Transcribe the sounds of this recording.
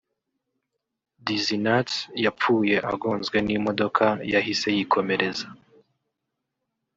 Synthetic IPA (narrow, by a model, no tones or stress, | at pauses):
dizinatjap͡fuːje̞ʔa̰ɡo̞ːnzɡwe̞nimo̞do̞kʰajaɦise̞jikʰo̞me̞ɾe̞za